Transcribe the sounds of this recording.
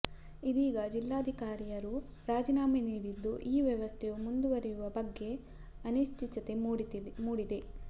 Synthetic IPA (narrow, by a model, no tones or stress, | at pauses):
id̪iːɡɐd͡ʒilːaːd̪ʱikaːɾijɐɾu | ɾaːd͡ʒinaːminiːɾid̪ːuʔiːʋjɐʋɐst̪ʰejumund̪uʋɐɾijuʋɐbɐɡːe̞ | ɐniʃt͡ʃit͡ʃɐt̪e̞muːɽid̪e̞